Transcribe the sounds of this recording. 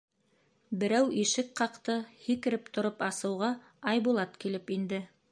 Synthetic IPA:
bɘ̆ɾæwʔiʃɘk̚qɑqt̪ɤhikɘ̆ɾɘp̚t̪ŏɾopɑsɤ̆wʁɑ | ɑjbulˠɑt̪kilɘpind̪ɘ

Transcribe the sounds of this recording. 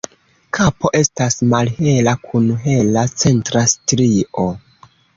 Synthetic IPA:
kʰapo̞ʔe̞stasmalhe̞lakʰunɦe̞lat͡se̞ntɾastɾio

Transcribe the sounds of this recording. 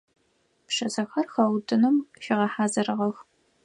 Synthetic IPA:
pʂɐsɐxɐrxɐwdʼɨnɨmʃɪʁɐħaːzɐɾɨʁɐx

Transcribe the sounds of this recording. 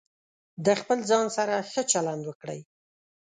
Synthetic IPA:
d̪əxpəlzɑnsaɾaxət͡ʃaland̪wəkɽəj

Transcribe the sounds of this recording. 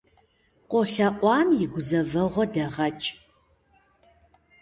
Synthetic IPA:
qʷʼɔɬɐʔʷʼɑːmjɪɡʷʊzɐvɐʁʷɔdɐʁɐt͡ʃʼ

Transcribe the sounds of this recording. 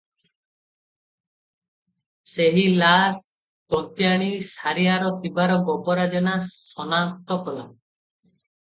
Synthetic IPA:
seɦilas | kɔnt̪jaɽ̃isaɾiaɾɔt̪ʰibaɾɔɡɔpɔɾad͡ʒɔnasɔnak̚t̪ɔkɔla

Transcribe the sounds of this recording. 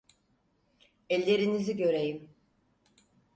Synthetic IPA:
ɛlʲːe̞ɾiniziɟø̞ɾejim

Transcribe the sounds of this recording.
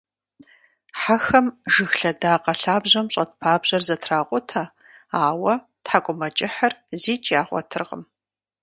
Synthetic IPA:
ħaxɐmʒɨxɬɐdaːqɐɬaːbʑɐmɕʼɐt̚pʰaːbʑ̥ɐrzɐtʰraːqʷʼʊtʰa | aːwɐ | tħakʷʼʊmɐt͡ʃʼɪħɐrziːt͡ʃʼjaːʁʷɔ̰tʰɨrqə̰m

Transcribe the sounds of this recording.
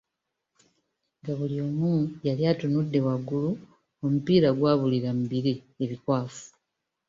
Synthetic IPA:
ŋɡaβulio̞ːmuːjaljaːtunudːe̞waɡulu | o̞mupiːɾaɡwaːβuliɾamubiɾe | eβikwaːfu̥

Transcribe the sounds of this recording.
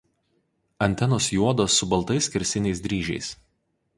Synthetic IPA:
ɐnʲt̪ʲɛnoːsjuɔd̪oːsːʊbɐlˠt̪ɐɪskʲɪɾʲsʲɪnʲɛɪs̬d̪ʲɾʲiːʒʲɛ̰ɪs

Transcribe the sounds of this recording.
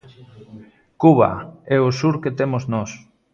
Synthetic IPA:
kuβa̰ɛosuɾket̪emoznɔs

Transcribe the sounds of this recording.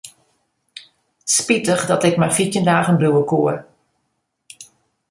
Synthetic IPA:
spitəxdɔtɪkmarfitjəndaːɣənbruəkuər

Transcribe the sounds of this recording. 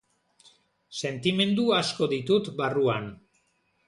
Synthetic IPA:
se̞nt̪ime̞nd̪uasko̞ðit̪ut̪baruan

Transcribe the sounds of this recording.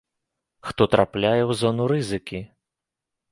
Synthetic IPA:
xt̪ɔt̪ɾʔaplʲajɛwzɔnuɾɨzɨkʲi

